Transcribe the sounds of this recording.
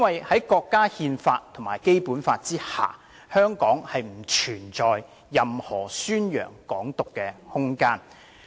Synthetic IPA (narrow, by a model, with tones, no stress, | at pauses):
ɐ˥nwɐ˨jhɐ˨˥jkɔː˧kːaː˥hiː˧nfaː˧tt̪ʰʊ˨˩ŋmaː˨˩jke˥jpuː˨˥nfaː˧t̚t͡siː˥ha̰ː˨ | hœː˥ŋkɔː˨˥ŋhɐ˨jm̩˨˩t͡ʃʰyː˨˩nt͡sɔː˨jː | ɐ˨mhɔː˨˩syː˥njœ̰ː˨˩ŋkɔː˨˥ŋt̪ʊ˨kːɛː˧hʊ˥ŋkaː˥n